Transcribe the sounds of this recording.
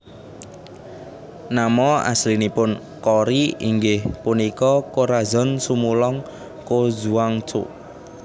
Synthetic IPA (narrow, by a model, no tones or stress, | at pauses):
namɔa̰slinipʊn | kɔɾiiŋɡɪhpunikɔkoɾazɔ̤nsumulɔŋ | kozuwaŋt͡ʃo̰ʔ